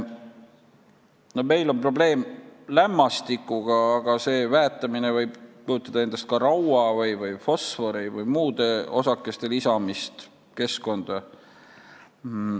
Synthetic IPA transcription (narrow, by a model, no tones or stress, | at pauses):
no̞me̞jlo̞npro̞ble̞ːmlæmːɑst̪ikːˑuɡ̥ɑːɡ̥ɑse̞ːvæːt̪ːˑɑminevɤjb̥pujut̪ːˑɑd̪ɑe̞nd̪̥ɑst̪̚kɑɾɑwɑvɯjvɯjfo̞sfo̞ɾivɯjmuːd̪̥e̞o̞̰sɑkːˑe̞st̪e̞lisɑmist̪ | ke̞sko̞nd̪̥ɑ